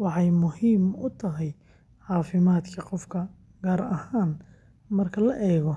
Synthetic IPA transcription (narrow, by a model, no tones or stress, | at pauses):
wɑħɑjmʊhiːmʊt̪ʰɐɦɛj | ħɑːfɪmaːd̪kʰɐqɔfkʰɐ | ɡ̥aːɾɐhaːn | mɐrkʰɐlɐʔɛːɣɔ